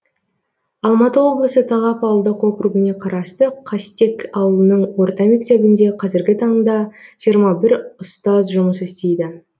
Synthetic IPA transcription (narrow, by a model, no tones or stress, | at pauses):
ɑlˠmɑt̪əwo̞blˠəsət̪ʰɑlˠɑpɑwəlˠd̪əqo̞kɾuɡʲɪne̞qʰɑɾɑst̪əqʰɑst̪e̞kɑwəlˠənəɴwo̞ɾt̪ɑme̞kt̪e̞bɪnd̪e̞qʰɑzɪɾɡʲɪt̪ʰɑɴd̪ɑʒ̥ijəɾmɑbɪɾʊst̪ɑzʒʊməsɪst̪e̞jd̪ɪ